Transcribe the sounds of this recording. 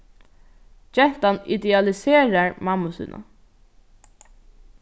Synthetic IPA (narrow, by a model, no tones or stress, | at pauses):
d͡ʒɛht̪anɪ̰d̪ɛalɪseːɾaɹmamʊsɪ̰nʔa̰